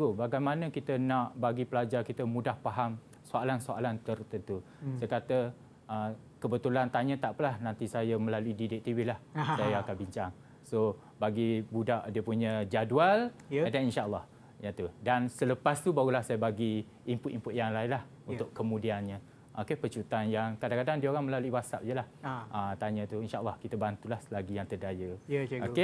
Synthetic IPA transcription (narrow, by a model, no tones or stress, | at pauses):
ɡobaɡajmanəkit̪ənãʔbaɡipəlad͡ʒarkit̪əmudahpaɦam | soalansoa̰lant̪ərt̪ənt̪u | sakat̪ə | ʔə | kəbət̪ulant̪aɲə̃t̪aʔpəlahnant̪isajəməlaluididɪʔ̚t̪iwilahsajaakanbiɲt͡ʃaŋ | so | baɡibudaʔdiəpuɲəd͡ʒadualdaninʃaʔəlːɑh | jat̪udansələpast̪ubaɣulahsajabaɡi | impʊt̪impʊt̪jaŋlaɪnlah | unt̪ʊʔkəmũdianɲə̃ | ʔokepət͡ʃut̪anjaŋkadaŋkadaŋdiaoɾaŋməlaluiwasa̰p̚jəlahʔət̪aɲə̃t̪uinʃaʔəlːɑhkit̪abant̪ulahslaɡijaŋt̪ədajəoe